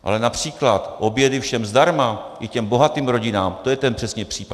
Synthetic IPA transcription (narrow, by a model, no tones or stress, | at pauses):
ʔa̰lɛnapr̝̥iːklat̪ʔo̞bjɛdɪfʃɛmzdaɾmaʔɪcɛmbo̞ɦat̪iːmɾo̞ɟɪnaːmt̪ojɛt̪ɛnpr̥ɛsɲɛpr̥iːpa